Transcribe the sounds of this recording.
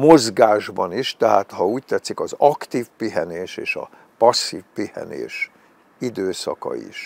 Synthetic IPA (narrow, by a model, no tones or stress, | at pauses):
mo̞zɡaːʒbɒniʃt̪ɛɦaːt̪hɒuːct̪ɛt̪sikɒzɒkt̪iːfpiɦɛneːʃeːʃɒ̰ | pɒsːiːfpihɛ̰nḛːʃ | id̪øːsɒkɒ̰ḭʃ